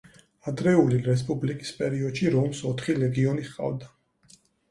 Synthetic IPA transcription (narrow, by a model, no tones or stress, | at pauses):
ad̪ɾɛuliɾɛs̬pʼublikʼi̥spʼɛɾiɔd̪̥ʃiɾɔmsɔt̪ʰχilɛɡiɔniχqʼa̰vd̪a